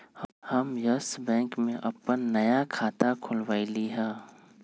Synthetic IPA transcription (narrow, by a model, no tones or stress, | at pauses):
hhɐmjəsbɛ̃ːŋkmẽʔɐpːənːɐjakʰaːt̪akʰʊlʋaːiliɦɛ̃ː